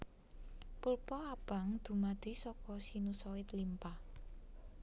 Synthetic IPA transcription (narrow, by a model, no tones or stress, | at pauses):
pulpɔab̥a̤ŋd̪̥ṳmad̪̥i̤sɔkɔsinusɔɪt̪limpah